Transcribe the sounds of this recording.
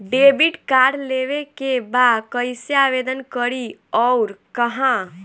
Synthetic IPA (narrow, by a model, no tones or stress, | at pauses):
ɖebiʈkaɖleʋekebakəɪsjeaʋed̪ənkəɾiɔʊɾkəɦã